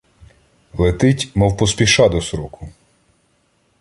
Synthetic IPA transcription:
lˠet̪ɪtʲmɔwpɔspʲiʃɑd̪ɔsɾɔkʊ

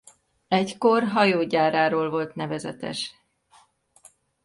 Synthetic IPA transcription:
ɛcko̞rɦɒjoːɟaːɾaːɾoːlvo̞lt̪nɛvɛzɛ̰t̪ɛ̰ʃ

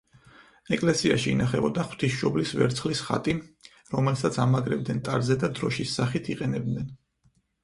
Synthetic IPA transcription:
ɛkʼlɛsia̰ʃiːnaχɛbɔd̪aχw̥t̪ʰisʃɔblisvɛ̰ɾt̪sʰχlisχa̰t̪ʼi | ɾɔmɛlsat̪sʰamaɡɾɛb̚d̪nɛnt̪ʼaɾzɛd̪ad̪ɾɔʃisːaχit̪ʰiqʼɛnɛb̚d̪nɛn

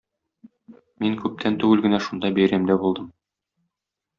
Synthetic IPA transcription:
miŋkʉp̚t̪ʰænt̪ʉwɘlɡɘ̆næʃund̪ɑbæjɾæmd̪æbulˠd̪ɤm

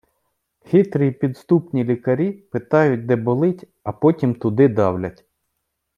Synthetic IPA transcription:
xʲit̪ɾiipʲid̪st̪upnʲilʲikɐɾʲipɪt̪ɑjʊt̚ʲd̪ɛbɔlˠɪtʲ | ɐpɔtʲimt̪ʊd̪ɪd̪ɑwlʲɐtʲ

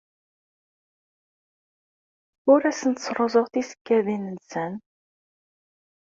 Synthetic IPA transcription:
ʊɾæsənt̪sɾˤozˤoʁθisə̥kːæðinənsən

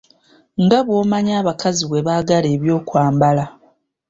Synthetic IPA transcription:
ŋɡaβwo̞ːmaɲaːβakaziβwe̞βaːɡale̞ːβjo̞ːkwaːmbala

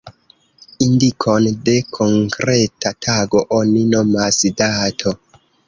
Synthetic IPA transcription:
indikʰo̞nde̞kʰo̞ŋkɾe̞tatʰaɡo̞ʔonino̞masdatʰo

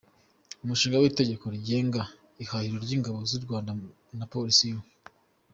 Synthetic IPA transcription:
umuʃiːŋɡawiːte̞ɟe̞ko̞ɾiɟe̞ːŋɡa | ihahiɾoɾɟiːŋɡaβo̞zuɾɡwaːnda | napo̞ɾisijo

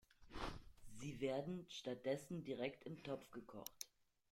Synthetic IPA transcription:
ziːveːɐdn̩ʃtat̚d̥ɛsn̩diʁɛktɪmtʰɔpp͡fɡ̥əkʰɔ̰χt

